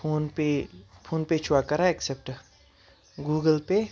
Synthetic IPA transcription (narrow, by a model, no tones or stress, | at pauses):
oːnpepʰoːnpet͡ʃʰʊakɐɾaeksep̚ʈ | ɡuːɡəlpe